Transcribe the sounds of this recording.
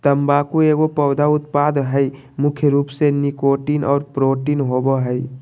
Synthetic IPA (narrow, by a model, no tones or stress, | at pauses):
t̪əmbakueɡopəʊd̪ʱaut̪pad̪ɦəj | mukʰjəɾupsenikoʈinʔɔːɾpɾoʈinɦobəɦəj